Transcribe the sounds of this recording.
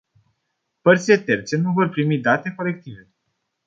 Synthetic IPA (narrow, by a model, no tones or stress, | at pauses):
pərt̪sile̞t̪e̞rt̪se̞nuvo̞rpɾimid̪at̪e̞ko̞le̞k̚t̪ive̞